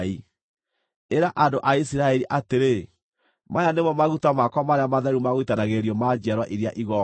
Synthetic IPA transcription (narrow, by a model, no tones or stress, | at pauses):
i | eɾaʔandoʔaisiɾaɛɾiʔateɾe | majanemɔmaɣutamakwamaɾeamaðɛɾumaɣoitanaɣeɾiɔmad͡ʒiaɾwa̰ʔiɾiaʔiɣɔ